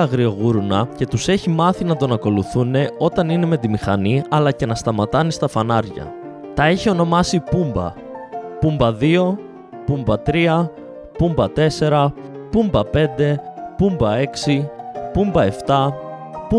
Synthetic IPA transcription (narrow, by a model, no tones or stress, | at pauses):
ɐɣɾio̞ɣuɾunɐce̞t̪use̞çimɐθinɐt̪o̞nɐko̞luθune̞o̞t̪ɐnine̞me̞t̪imixɐniɐlɐce̞nɐst̪ɐmɐt̪ɐnist̪ɐfɐnɐɾʝɐ̰ | t̪ɐeçio̞no̞mɐsipumbɐ̰ | pumbɐðio̞ | pumbɐt̪ɾiɐ | pumbɐt̪e̞se̞ɾɐ | pumbɐpe̞nd̪e̞pumbɐe̞ksipumbɐe̞ft̪ɐpu